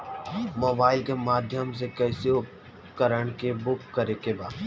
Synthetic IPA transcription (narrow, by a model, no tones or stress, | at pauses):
moːbaːɪlkemaːd̪ʱjəms̬ekɛːseʊp̚ | kəɾəɽ̃kebʊkːɐɾekebaːd̪